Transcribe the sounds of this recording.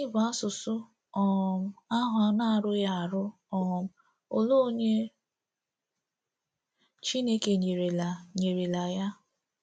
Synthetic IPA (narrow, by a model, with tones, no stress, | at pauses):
i˦ba˨˦sʊ˨sʊ˦ | ɔ˨m̩˦a˦ɦʊ˨a˨˦na˦˨ɾʊ˦ja˦˨ɾʊ˦ | ɔ˨m˨ | o˨lo˦o˦ɲe˦ | t͡ʃi˦ne˦ke˨ɲe˨ɾe˨la˨ɲe˨ɾi˨la˨ja˦